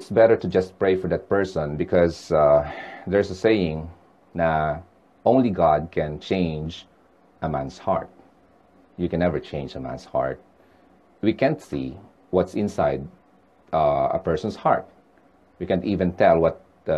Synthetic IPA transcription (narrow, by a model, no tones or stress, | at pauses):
ɪt̪sbɛɾə˞t̪ʊd͡ʒʌst̚pɹeɪfɔɹd̪at̪̚pɛɹsɔ̃nbɪkʰɔz | d̪ɛɹsəseɪɪ̃ŋ | na | ʔõʊ̃nliɡɑd̪̚kʰɛ̃nt͡ʃẽɪ̃nd͡ʒ | ʔəmæ̃nshɑ̰ɹt̪̚ | jɨkɛ̃nɛvəɹt͡ʃẽɪ̃nd͡ʒəmæ̰̃nshɑ̰ɹt̪̚ | wikæ̃nt̪sḭ | wʌt̪sɪ̃nsaɪd̪̚ | ə̰pɛɹsɔ̃nshɑ̰ɹt̪̚ | wikæ̃nt̪ivɨ̃nt̪ʰɛlˠwʌt̪̚